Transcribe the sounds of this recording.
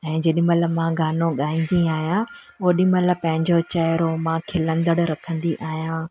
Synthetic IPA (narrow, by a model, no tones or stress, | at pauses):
ɛ̃ːd͡ʑɐɗɪməlmãɡʱaːnoɠaːĩːnd̪iaːɦijãʊɦoɗɪməlpɐ̃ɦɪ̃ɲd͡ʑot͡ɕɐɪɾomãkʰeːlɐ̃nd̪əɽɾɐkʰə̃nd̪iʔaːɦijãː